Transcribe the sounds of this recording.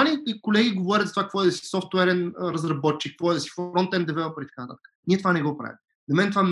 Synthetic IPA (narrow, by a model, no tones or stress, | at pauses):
nʲiikolɛɡʲiɡovɔɾʲət̪zɐt̪vakəkvɔɛd̪ɐsi̥sɔft̪wɛɾɛnɾəzɾɐbɔt̪̚t͡ʃikːəkvɔɛd̪ɐsi̥fɾɔnt̪ɛnd̪ɛvɛlˠɐpəɾit̪ɐkanɐt̪a̰t̪ə̥kə̥nʲiɛt̪ovanɛɡɔpɾa̰vʲḭt̪ | zɐmɛnɛt̪ovan